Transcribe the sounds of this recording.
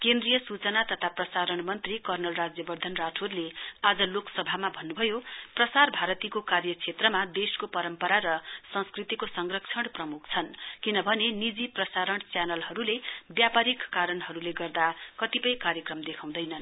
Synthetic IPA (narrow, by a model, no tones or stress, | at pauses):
kend̪rijʌsut͡sʌnat̪ʌt̪ʰaprʌsaɾʌɳmʌnt̪rikʌrnʌlrad͡zjʌbʌrd̪ʱʌnraʈʰoɾlead͡zʌloksʌbʱamabʱʌnːubʱʌjoprʌsarbʱaɾʌt̪ikokarjʌt͡sʰet̪rʌmad̪eskopʌɾʌmpʌɾaɾʌsʌ̃nskrit̪ikosʌŋɡrʌkt͡sʰʌɽprʌmuk̚ʰt͡sʰʌnkinʌbʱʌnenid͡ziprʌsaɾʌɳt͡sjanʌlɦʌɾulebjapaɾikːaɾʌnɦʌɾuleɡʌrd̪akʌt̪ipʌjkaɾjʌkrʌmd̪ekʰaw̃d̪ʌjnʌn